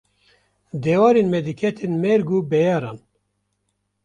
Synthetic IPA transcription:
d̪eːwɑːɾeːnmɛd̪ikʰɛt̪ʰenmɛɾɡubɛjɑːɾɑːn

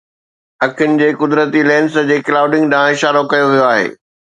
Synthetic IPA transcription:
ɐkʰjʊnɪ̆d͡ʑeːkʊd̪ɾət̪ilɛ̃ːnsd͡ʑeːklaːʊɖɪ̃ŋɡɗãɪʃaːɾokɐjoʋijoaːɦḛː

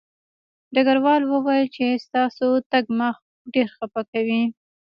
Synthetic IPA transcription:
ɖaɡaɾwɑlwəwajəlt͡ʃest̪ɑsot̪aɡmax | ɖeɾxapakawi

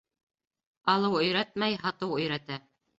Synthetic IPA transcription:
ɑlˠɤwɵ̆jɾæt̪̚mæjɦɑt̪ɤwɵ̆jɾæt̪æ

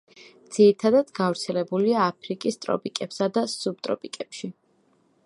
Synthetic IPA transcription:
d̪z̥iɾit̪ʰad̪ad̪ɡavɾt̪sʰɛlɛbuliaːpʰɾikʼist̪ʼɾɔ̰pʼikʼɛpsad̪asub̚t̪ʼɾɔ̰pʼikʼɛpʃi

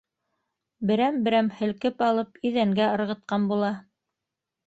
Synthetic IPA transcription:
bɘ̆ɾæmbɘ̆ɾæmhɘ̆lkɘpɑlˠɤpiðæŋɡæɤ̆ɾʁɤ̆t̪̚qɑnbulˠɑ

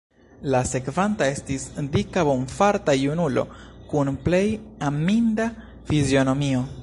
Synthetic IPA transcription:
lase̞kvantae̞stisdikabonfaɾtajunulo̞̰kunple̞jaminda | fizio̞no̞mio̞

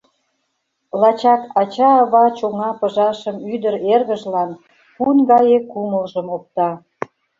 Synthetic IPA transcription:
lɑt͡ɕɑkɑt͡ɕɑːβɑt͡ɕoŋɑpə̆ʒɑʃə̆myd̪əɾerɣəʒlɑn | punɡɑjekuməlʒəmok̚t̪ɑ

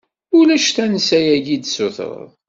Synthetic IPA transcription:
ulæʃt̪ænəsæjæɡid̪sʊθə̰ɾˤə̰ðˤ

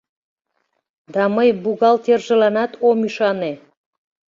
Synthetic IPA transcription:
d̪ɑmɤjbuɣɑlˠt̪erʒelˠɑnɑt̪ʰomiʃɑne

